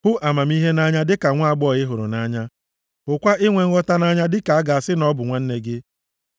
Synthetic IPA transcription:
hʊ˦ʔa˨ma˨mi˦ɦe˦na˦ɲa˦dɪ˦ka˨ŋʷa˦a˦˨ɡ͡bɔ˦˨ɣɪ˦ɦʊ˨ɾʊ̰˨na˦ɲa˦ | ʊ˨kʷa˦ɪ˦ŋʷe˨ŋ̩˦ɔ˦ta˦na˦ɲa˦dɪ˦ka˨a˦ɡa˨a˨sɪ˦nɔ˦bʊ˨ŋʷa˦n̩˦ne˦ɡɪ˦

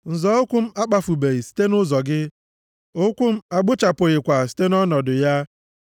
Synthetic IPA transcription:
n̩˨zɔ˨˦o˦kʷu˦m̩˦a˦k͡pa˦fu˨be˨i˨si̥˦te˦nʊ˦zɔ˨ɡɪ˦ | o˦kʷu˦m̩˦a˨ɡ͡bʊ˦t͡ʃa˨pʊ˨ɣɪ˨kʷa˨si̥˦te˦nɔ˦nɔ˨dʊ˨ja˦

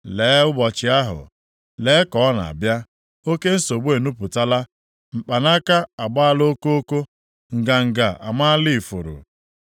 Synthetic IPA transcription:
leː˨˦ʊ˦bɔ˨t͡ʃɪ˨a˦ɦʊ̰˨ | le˨˦kɔ˨ɔ˦na̰˨a̰˨bja˦ | o˦ke˦n̩˦so˨ɡ͡be˨nu˦pʊ˨ta˦la˦ | m̩˨k͡pa˨na˦ka˦a˨ɡ͡ba˦a˦˨lo˦ko˦o˦ko˦ | ŋ̩˨ɡa˨ŋ̩˨ɡa˨ʔa˨ma˦lɪ˦˨fʊ˨ɾʊ̰˨

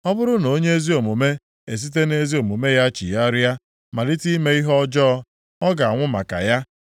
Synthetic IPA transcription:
ɔ˦bʊ˦ɾʊ˦no˨o˦ɲe˦e˦zi˦o˨mo˨me˦ | e˨s̬i˦t̬e˦ne˦zi˦o˨mo˨me˦ja˦t͡ʃḭ˨ja˦ɾja˦ | ma˨li˦ti˦me˦i˦ɦɔ˦d͡ʒɔ˦ | ɔ˦ɡa˨a˨ŋʷʊ˦ma̰˨ka̰˨ja˦

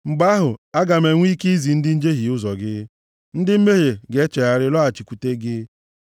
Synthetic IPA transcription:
ŋ͡m̩˨ɡ͡ba˦ɦʊ˨a˦ɡa˨me˨ŋʷi˦ki˦i˦zi˨n̩˦dɪ˦n̩˦d͡ʒe˦ɦi˨ʊ˦zɔ˨ɡɪ˦ | n̩˦dɪ˦m̩˦me˦ɦe˨ɡe˦t͡ʃe˨a˨ɾɪ˦lɔ˦a˨t͡ʃi˨kʷu˨te˦ɡɪ˦

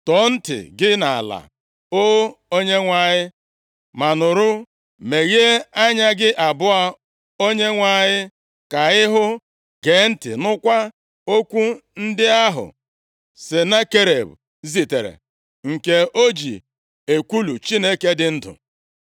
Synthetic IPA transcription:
tɔ˨˦n̩˦tɪ̰˨ɡɪ˦na˨a̰˨la̰˨ | o˦o˦ɲe˦ŋʷa˨ɲɪ˦ | ma˨nʊ˨ɾʊ˦ | me˨ɣe˦a˦ɲa˦ɡɪ˦ʔa˨bʊ˦a˦ | o˦ɲe˦ŋʷa˨ɲɪ˦ | ka˨ɪ˦ɦʊ˦ | ɡe˨˦n̩˦tɪ̰˨nʊ˦kʷa˦ | o˦kʷu˦n̩˦dɪ˦a˦ɦʊ̰˨ | sɪ˨na˦ke˦ɾe˨b | zi˨te˨ɾḛ˨ | ŋ̩˨ke˨o˦d͡ʒḭ˨ | e˨kʷu˦lu˨t͡ʃi˦ne˦ke˦dɪ˦n̩˦dʊ̰˨

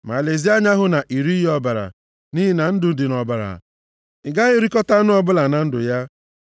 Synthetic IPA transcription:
ma˨le˨zi˦a˦ɲa˦ɦʊ˨˦na˨ʔi˨ɾi˦ɦi˦ɔ˦ba˨ɾa̰˨ | ni˦ɦi˨na˨n̩˦dʊ˨n̩˦dɪ˨nɔ˨ba˨ɾa̰˨ | ɪ˨ɡa˦ɣɪ˦ɾi˦kɔ˦ta˦nʊ˦ɔ˨bʊ˦la˨na˨n̩˦dʊ̰˨ja˦

